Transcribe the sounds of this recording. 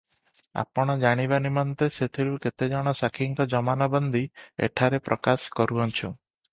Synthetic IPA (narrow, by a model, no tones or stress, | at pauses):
a̰pɔɽ̃ɔd͡ʒaɽ̃iβanimɔnt̪eset̪ʰiɾuket̪ed͡ʒɔɽ̃ɔsakʰiŋkɔd͡ʒɔmanabɔnd̪ʱiḛʈʰaɾepɾʔɔkaskɔɾuɔnt͡ʃʰu